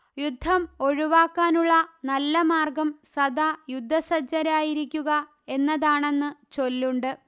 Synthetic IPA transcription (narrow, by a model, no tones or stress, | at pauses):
jud̪ʱːɐmo̞ɻuʋaːkːaːnuɭːɐnɐlːɐmaːrɡɐmsɐd̪ajud̪ʱːɐsɐd͡ʑɐɾaːjiɾikʲːuɣɐ | e̞nːɐðaːɳe̞nːɨt͡ɕo̞lːuɳɖɨ